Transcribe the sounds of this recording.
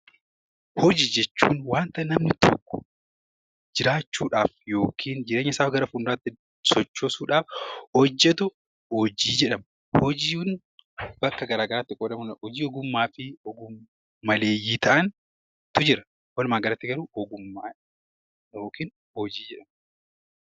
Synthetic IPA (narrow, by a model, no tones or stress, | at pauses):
hɔd͡ʒiːd͡ʒɛt͡ʃːṵːnwaːnt̪ɐnɐmnɪt̪ɔ̰kːʊ̥̰ | d͡ʒɪɾaːt͡ʃːuːᶑaːfjo̞ːkʰiːnd͡ʒɪɾeːɲːɐɪsaːfɡɐɾɐfuːnɾɐt̪ːɪ | sɔt͡ʃːoːsuːᶑaːfhɔd͡ʒːɛt̪̬ʊ | hɔd͡ʒiːd͡ʒɛᶑɐm | hɔd͡ʒiːn | bɐkːɐɡɐɾaːɡɐɾaːt̪ːɪkʼoːlɐmɐnhɔd͡ʒiːɔɡʊmːaːfɪɔɡʊmː | ɐleːjːiːt̪ɐʔɐn | t̪ʊd͡ʒɪɾɐ | wɐlmaːɡɐɾɐt̪ːɪɡɐɾuːɔɡʊmːa | joːkiːn | hɔd͡ʒiːd͡ʒɛᶑɐm